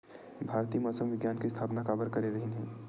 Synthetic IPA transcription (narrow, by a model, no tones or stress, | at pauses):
bʱaːɾt̪iːmɔsəmʋɪɡjaːnkest̪ʰaːpnakabəɾkəɾeɾəɦinɦɛ̃